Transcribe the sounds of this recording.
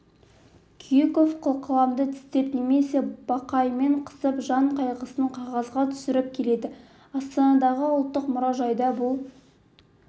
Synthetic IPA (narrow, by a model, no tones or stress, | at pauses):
kʲʰijekofqʰəlˠqʰəlˠɑmd̪ət̪ʰɪ̥st̪e̞pneme̞se̞b̥ɑqɑjme̞ɴqʰə̥səpʒɑɴqʰɑjʁəsəəɴqʰɑʁɑzʁɑt̪ʰʏ̥sɪɾɪp̚kʲʰe̞le̞d̪ɪ | ɑst̪ɑnɑd̪ɑʁəʊlˠt̪ːəqmʊɾɑʒɑjd̪ɑbʊlˠ